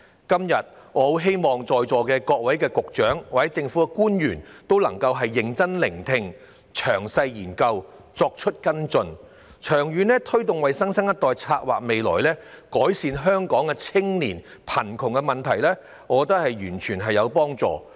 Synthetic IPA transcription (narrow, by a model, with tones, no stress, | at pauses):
kɐ˥mjɐ˨t̚ | ŋɔː˨˧o˧wɦe˥jmɔː˨ŋt͡sɔː˨jt͡sɔː˨kɛː˧kɔː˧k̚wɐ˨˥jkɛː˧kʊ˨k̚t͡ʃœː˨˥ŋwaː˨˩t͡sːɛ˨˦˥t͡sɪ˧ŋfuː˨˥kɛ˧kuː˥njyː˨˩nt̪o˥wlɐ̰˨˩ŋkɐ˧wɦɐ˨jːɪ˨ŋt͡sɐ˥nlɪ˨˩ŋt̪ʰɪ˧ŋ | t͡ʃʰœː˨˩ŋsɐ˧jjiː˨˩nkɐ˧wt͡sɔː˧k̚t͡ʃʰɵ˥t̚kɐ˥nt͡sɵ˧n | t͡ʃʰœː˨˩ŋjyː˨˧nlɛː˥t̪ʰɵ˥ɥt̪ʊ˨ŋwɐ˨jsɐ˥ŋsɐ˥ŋjɐ˥t̚t̪ɔː˨jt͡sʰaː˧t̚wa̰ː˨k̚me˨jlɔ̰ː˨˩jlɛː˥kɔː˨˥jsiː˨˧nɦœː˥ŋkɔː˨˥ŋkɛ˧t͡sʰɪ˥ŋliː˨˩npʰɐ˨˩nkʰʊ˨˩ŋkɛ˧mɐ˨nt̪ʰɐ˨˩jlɛː˥ | ŋɔː˨˧ɔ˧t̪̬ɐ˥k̚hɐ˨jɥyː˨˩nt͡ʃʰyː˨˩nɦɐ˨jːɐ˨˧wpɔː˥ŋt͡sɔ̰ː˨